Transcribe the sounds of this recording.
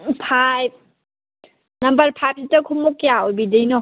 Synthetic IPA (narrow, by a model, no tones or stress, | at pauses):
pʰajp̚ | nambaɾpʰajp̚sitakʰumːɔkjaɔjbidɯjnɔ